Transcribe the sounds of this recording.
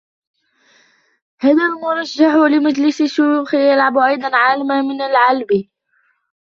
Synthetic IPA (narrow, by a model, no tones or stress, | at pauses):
haːðalmʊɾˤɑʒːaħʊlɪmad͡ʒlɪsɪʃujuːxɪjalʕabʔɑjd̪ˤɑnʕaːlamamɪnalʕalbi